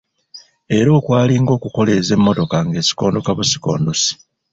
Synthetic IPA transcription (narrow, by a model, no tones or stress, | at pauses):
e̞ɾo̞ːkwaːliŋɡo̞ːkuko̞le̞ze̞mːo̞to̞kaŋɡe̞ːsi̥ko̞ːndo̞kaβusi̥ko̞̰ːndosi̥